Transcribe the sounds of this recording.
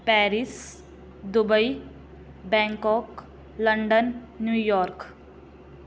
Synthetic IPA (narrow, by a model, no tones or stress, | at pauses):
pɛːɾis | d̪ubəi | bɛ̃ːŋkɔːk | ləɳɖənː | jujɔːɾk